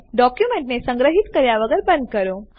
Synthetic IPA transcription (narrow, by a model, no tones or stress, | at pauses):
ɖɔkjumẽɳʈnesə̃ŋɡɾəɦit̪kəɾjaʋəɡəɾbə̃nd̪̚kəɾõ